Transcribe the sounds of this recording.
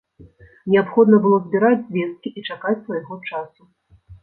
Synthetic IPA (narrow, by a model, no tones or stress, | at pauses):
nʲɛapxɔd̪nɐbɨlˠɔzʲbʲiɾad͡zʲzʲvʲɛst̪̚kʲiʔit͡ʂakat͡sʲsvajɣɔt͡ʂasu